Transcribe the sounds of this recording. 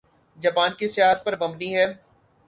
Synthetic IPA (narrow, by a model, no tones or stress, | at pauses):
d͡ʒɐpaːnkisɪjaːɦət̪̚pɐɾbɐ̃mbniɦɛː